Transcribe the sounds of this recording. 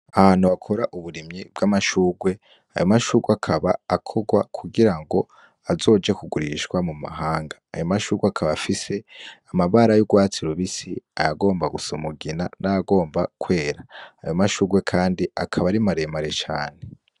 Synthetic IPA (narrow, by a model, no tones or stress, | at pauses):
ahaːn̥uβakʰo̞ɾaʔuβuɾimɲib̚ɡamaʃuːɡwe̞ | a̰jomaʃuːɾɡweakʰaβaakʰo̞ɡwakʰuɡiɾaŋɡo̞ | azo̞ːd͡ʒekuɡuɾiʃkwamuma̰ɦaːŋɡḁːjomaʃuːɾɡweakʰaβafise̞amaβaɾajuɡwaːt͡siɾuβisiajaɡo̞ːmbaɡusumuɡinanajaɡo̞ːmbakwe̞ːɾa̰ːjomaʃuːɡwe̞kʰaːndiakʰaβaɾimaɾe̞maɾe̞t͡ʃaːne̞